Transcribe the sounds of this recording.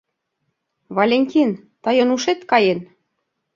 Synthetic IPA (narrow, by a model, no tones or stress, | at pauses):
βɑlʲenʲtʲint̪ɤjɤ̆nuʃet̪kɑjen